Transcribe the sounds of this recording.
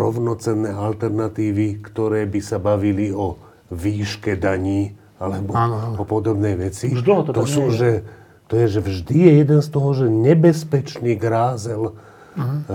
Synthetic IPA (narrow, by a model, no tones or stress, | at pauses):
ɾɔʊnɔt͡sɛnːɛːalt̪ɛɾnat̪iːʋikt̪ɔɾɛːbisabaʋiliɔ | ʋiːʃkɛd̪aɲiː | alɛbɔɔpɔd̪ɔbnɛjʋɛt͡sid̪t̪ɔsuːʒɛ | t̪ɔjɛʒɛvʒd̪ijɛjɛd̪ɛnst̪ɔɦɔʒɛɲɛbɛspɛt͡ʃniːɡɾaːzɛl